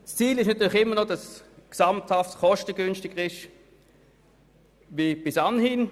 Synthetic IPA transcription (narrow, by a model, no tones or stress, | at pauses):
st͡siːlɪʃnɑt̪yːlɪχɪmːənodɑsksɑmthaftχɔʃtəɡ̥ʏnʃtɪɡəʁɪʃ | vib̥ɪsanhiːn